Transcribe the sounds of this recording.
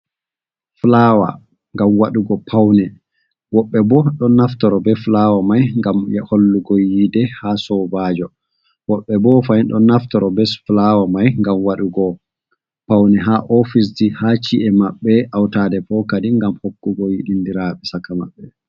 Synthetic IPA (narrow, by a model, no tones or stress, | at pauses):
flawa̰ | ŋɡamwaɗuɡɔpʰawnɛ | wɔɓːɛbɔɗɔnaftɔɾɔbɛflawamajŋɡamjɛholːuɡɔjidɛhaːsɔbaːd͡ʒɔ | wɔɓːɛbɔfajnɗɔ̰naftɔɾɔbɛsflawamajŋɡamwaɗuɡɔ | pawnɛɦaʔɔfis̬dihat͡ʃiʔɛmaɓːɛʔawtadɛfɔkadiŋɡamhokːuɡɔjiɗindiɾaɓɛsakːama̰ɓːɛ